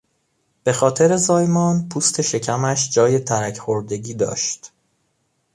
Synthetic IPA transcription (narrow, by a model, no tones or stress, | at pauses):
b̥e̞xɒːt̪ʰe̞ɾe̞zɒːjmɒːnpʰuːst̪ʰe̞ʃe̞cʰæmæʃd͡ʒɒːje̞t̪ʰæɾæcʰxoɾd̪e̞ɟiːd̪ɒ̰ːʃt̪